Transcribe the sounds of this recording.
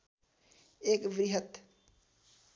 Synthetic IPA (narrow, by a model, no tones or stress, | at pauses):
eːkʋɾɪɦət̪